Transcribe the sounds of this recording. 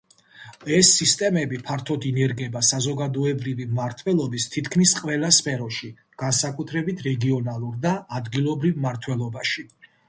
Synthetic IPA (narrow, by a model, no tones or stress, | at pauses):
ɛsːist̪ʼɛmɛbipʰaɾt̪ʰɔd̪inɛɾɡɛbasazɔɡad̪ɔɛbɾivimmaɾt̪ʰwɛlˠɔbist̪ʰit̪ʰkʰmisqʼvɛlˠaspʰɛɾɔʃi | ɡ̥ansakʼut̪ʰɾɛbit̪ʰɾɛɡiɔnalˠuɾd̪aːd̪ɡilˠɔbɾivmaɾt̪ʰwɛlˠɔbaʃi